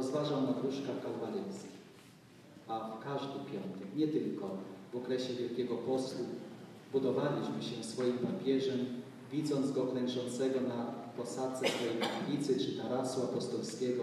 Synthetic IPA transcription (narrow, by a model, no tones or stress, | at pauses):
ɔzvaʐawnad̪ɾuʂkakawvalɛjskʲi | akaʐd̪ɘpʲjɔnt̪ɛkɲɛt̪ɘlkɔvɔkɾɛɕɛvʲjɛlkʲɛɡɔpɔswu | bud̪ɔvalʲiɕmɘɕɛsfɔjimpapʲjɛʐɛm | vʲid̪zɔnd̪zɡɔklɛnʐɔnt̪sɛɡɔnapɔsat̪t̪sɛsfɔjejkaflʲit̪sɘt͡ʂɘt̪aɾasuapɔst̪ɔlskʲɛɡɔ